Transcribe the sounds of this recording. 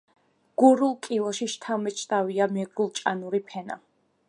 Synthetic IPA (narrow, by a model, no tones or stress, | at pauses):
ɡ̥uɾulˠkʼilˠɔʃiʃt̪ʰamɛt͡ʃʰt̪ʼaviamɛɡɾulˠt͡ʃʼanuɾipʰɛna̰